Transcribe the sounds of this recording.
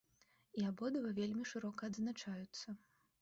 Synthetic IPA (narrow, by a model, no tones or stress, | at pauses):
iabɔd̪ɐvɐvʲelʲmʲiʂɨɾɔkɐːd̪znat͡ʂajut̪sːɐ